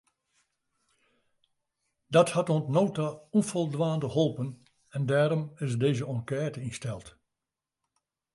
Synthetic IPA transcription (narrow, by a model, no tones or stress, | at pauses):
dɔthatonsnoːwtaũnfolˠdʋaːndəholˠpən | ɛndɛːɾɔmɪs̬deːzəɔ̃ŋkɛːtəĩnstɛlˠt